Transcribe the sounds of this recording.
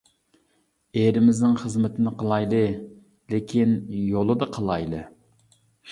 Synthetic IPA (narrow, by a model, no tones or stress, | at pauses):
eɾɪmɪznɪŋχəzmɪt̪ʰɪnɪqʰəlˠɑjlˠɨ | lɪkʲʰinjolˠɨd̪ɑqʰəlˠɑjlˠɨ̰